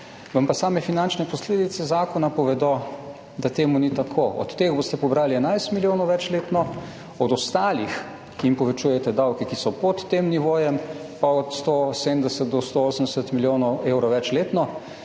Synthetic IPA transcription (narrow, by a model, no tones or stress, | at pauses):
ʋampasaːmɛfinant͡ʃnɛpɔsleːd̪it̪sɛzaːkɔnapɔʋɛd̪ɔ | d̪at̪eːmunit̪akʰoʔɔ̰t̪ːeːɣboːst̪ɛpɔbɾaːliɛnajst̪miljoːnɔwʋɛt͡ʃleːt̪nɔ | ɔd̪ɔst̪aːlix | kiimpɔʋɛt͡ʃujɛt̪ɛd̪awkɛkisɔpɔt̪ːemniʋoːjɛm | paɔt̪st̪osemd̪ɛsət̪̚d̪ɔst̪ooːsənd̪ɛsət̪miljoːnɔweːwɾɔwʋɛt͡ʃleːt̪nɔ